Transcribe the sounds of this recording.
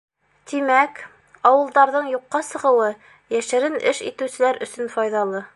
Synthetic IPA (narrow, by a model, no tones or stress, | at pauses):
t̪imæk | ɑwɤ̆lˠd̪ɑɾðɤɴjuqːɑsɤ̆ʁɤ̆wɤ | jæʃɘ̆ɾɘnʔɘʃḭt̪ɘ̆wsɘ̆læɾɵ̆sɵnfɑjðɑlˠɤ